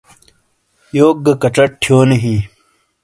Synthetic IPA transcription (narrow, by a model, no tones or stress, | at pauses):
joːk̚ɡɐkɐʈ͡ʂɐʈ̚ʈʰjoːnɐɦi